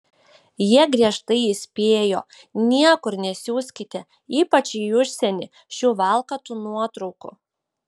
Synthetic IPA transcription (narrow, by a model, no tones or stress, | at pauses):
jiɛɡɾʲiɛʃt̪ɐɪɪsʲpʲeːjoː | nʲiɛkʊɾnʲɛsʲuːsʲkʲɪt̪ʲɛ | iːpɐt͡ʃʲijʊʃʲsʲɛnʲɪ | ʃʲuːʋɑˑlˠkɐt̪unuɔt̪ɾɔʊkʊ̰